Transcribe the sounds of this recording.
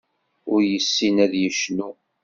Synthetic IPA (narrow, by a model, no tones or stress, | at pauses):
ʊɾjəsːinæðjəʃnu